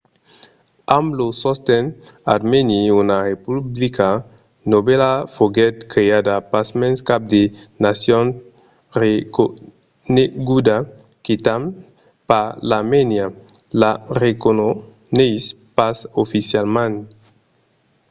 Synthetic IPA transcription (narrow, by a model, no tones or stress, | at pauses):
amblosost̪ɛn | a̰dmeniunaʁepublikʰa | nobelafoɡɛt̪kɾead̪apasmẽnskap̚d̪enasjon | rek | neɡud̪a | kit̪am | palamenja | larekono | nejs | pasofisjalmãn